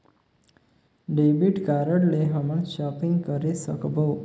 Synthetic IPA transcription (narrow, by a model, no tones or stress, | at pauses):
ɖebiʈkaɾəɽleɦaməɳʃɔpiŋɡkəɾesəkbo